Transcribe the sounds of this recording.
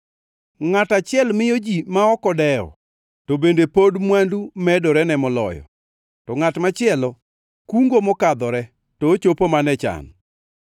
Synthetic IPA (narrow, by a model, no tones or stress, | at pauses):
ŋatat͡ʃɪɛlmɪjod͡ʒimaɔkɔdɛɔ̰ | tobendepodmwandumɛdɔɾɛnɛmɔlɔ̰jɔ̰ | tɔŋatmat͡ʃɪɛlɔ | kuŋɡomɔkad̪ɔɾɛ | toːt͡ʃopomanɛt͡ʃa̰n